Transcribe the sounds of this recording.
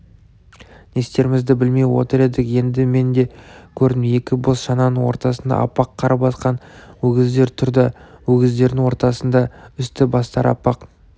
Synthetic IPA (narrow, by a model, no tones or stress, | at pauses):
ne̞st̪e̞ɾɪmɪzd̪ɪbɪlme̞jwo̞t̪əɾe̞d̪ɪkje̞nd̪ɪme̞nd̪e̞kʲʰɵɾd̪ɪmje̞kʲɪbosʃɑnɑnəŋwo̞ɾt̪ɑsənd̪ɑ̰ʔɑ̰pːɑqʰːɑɾɑpɑsqɑnwɵɡʲɪzd̪e̞ɾt̪ʰʊɾd̪ɑwɵɡʲɪzd̪e̞ɾd̪ɪŋwo̞ɾt̪ɑsənd̪ɑʏst̪ɪbɑst̪ɑɾɑ̰pːɑq